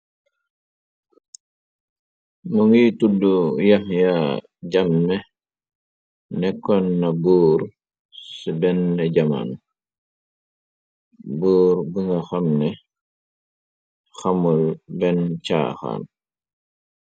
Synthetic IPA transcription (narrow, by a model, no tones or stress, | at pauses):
muŋitudujɐmja | ɟɐmːɛ | nɛkːɔnːɐbuːɾ | sibɛnːɛɟɐma̰n | buːɾbəŋɡɐxamnɛ | xɐmulbɛnt͡ʃa̰ːxa̰ːn